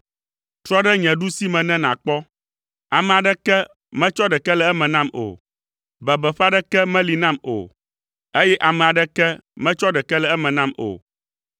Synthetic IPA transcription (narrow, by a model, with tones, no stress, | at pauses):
t̪ɾɔ˦ɖɛ˦ɲɛ̃˨ɖu˦si˦mɛ̃˨nɛ̃˦nã̰˨k͡pɔ˦ | a˨mɛ̃˨a˨ɖɛ˦kɛ˦ | mɛ̃˦t͡ʃɔ˦ɖɛ˨kɛ˦lɛ˦ɛ˦mɛ̃˨nã˦˨mo̰˨ | bɛ˨bɛ˨ɸa˦ɖɛ˦kɛ˦mɛ̃˦li˨nã˦mo̰˨ | e˦jɛ˦ʔa˨mɛ̃˨a˨ɖɛ˦kɛ˦mɛ̃˦t͡ʃɔ˦ɖɛ˨kɛ˦lɛ˨ɛ˦mɛ̃˨nã˦mo̰˨